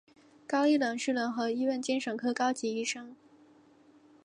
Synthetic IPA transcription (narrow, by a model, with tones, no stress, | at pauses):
kɑ˥ʊi˥˩lɤ˨˩ŋʂɻ̩˥˩lə˧˥ŋxɤ˧˥i˥wə˥˩nt͡ɕi˥nʂɤ˨˩ŋkʰɤ˥kɑ˥ʊt͡ɕi˧˥i˥˩ʂɤ˥ŋ